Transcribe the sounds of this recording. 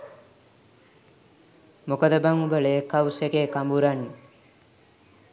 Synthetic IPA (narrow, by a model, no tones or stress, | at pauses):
mokəd̪əbaŋubəɭeːkawsekeːkambuɾanːi